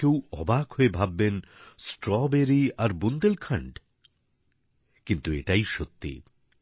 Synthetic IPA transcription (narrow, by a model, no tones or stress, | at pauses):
kewɔbakhoebʱabːensʈɾɔbeɾiaɾbund̪elkʰaɳɖ | kint̪ueʈajʃot̪ːḭ